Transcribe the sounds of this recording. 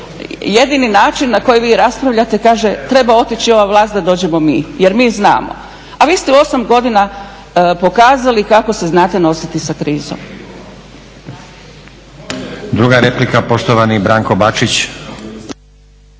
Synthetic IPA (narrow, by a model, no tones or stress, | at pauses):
je̞d̪ininaːt͡ʃinːako̞jiʋiːɾaspɾaʋʎat̪e̞kaːʒe̞t̪ɾe̞bao̞t̪it͡ɕio̞ʋaʋlˠaːst̪d̪ad̪o̞ːd͡ʑe̞mo̞miːje̞ɾmiːzna̰ːmo̰ | aʋiːst̪eo̞samɡo̞d̪ina | po̞kaːzalikako̞se̞znaːt̪e̞no̞sit̪isakɾiːzo̰m | d̪ɾuɡaɾeplikapo̞ʃt̪oʋanibɾaːŋko̞bat͡ʃit͡ɕ